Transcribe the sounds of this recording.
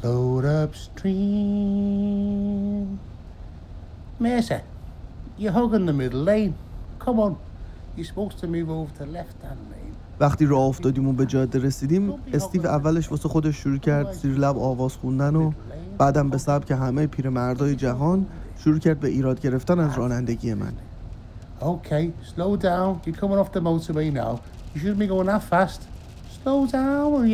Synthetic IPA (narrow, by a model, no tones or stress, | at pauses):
loɾʌpstɹi | meːsɛ | jəɦʊɡɪ̃nðəmɪdl̩ˠːẽɪnkʰʌmɑn | jispoʊkstʰəmivoʊvt̪ʰəlɛft̪̚anlḛ̃ɪn | væxt̪iːɾɒːoft̪ɒːd̪iːmunbe̞d͡ʒɒːd̪ːe̞ɾe̞siːd̪iːme̞st̪iːvævːæleʃvɒːsexo̞d̪eʃːoɾuːcʰæɾd̪siːɾlæbɒːvɒːz̥xund̪æno | b̥æːd̪æmbesæb̥cʰe̞ɦæmejpʰiːɾemæɾd̪ɒːjed͡ʒæɦɒːnʃoɾuːcʰæɾd̪̚be̞ʔiːɾɒːd̪̚ɟe̞ɾe̞ft̪ænæzɾɒːnænd̪eɟije̞mæ̰n | oʊkʰeɪsloʊdãʊ̃njəkʰʊ̃mɪ̃nɔfðəmoʊtʰəbena̰ʊ | jəʃ̬ʊd̚miɡoʊɪ̃nafæst | sloʊdãʊn